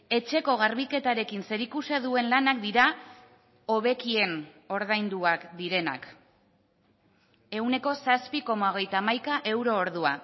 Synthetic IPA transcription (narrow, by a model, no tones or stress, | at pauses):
e̞t͡ʃe̞ko̞ɣ̞aɾβike̞t̪aɾe̞kinse̞ɾikuse̞ðue̞nlanak̚d̪iɾa | o̞βe̞kie̞n | o̞ɾðajnd̪uakd̪iɾe̞na̰k | e̞wne̞ko̞saspiko̞mao̞ɣ̞e̞jt̪aːmajkaʔe̞wɾo̞ːɾðua̰